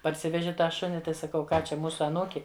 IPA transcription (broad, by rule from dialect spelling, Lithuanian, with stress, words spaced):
pɐrʲˈsʲɪʋʲɛʒʲɪ ˈtɑː ˈʃʊnʲɪ ˈtɐɪ sɐˈkɐʊ ˈkɑː ˈt͡ʃʲɛ ˈmuːsʊ ɐˈnuːkʲɪ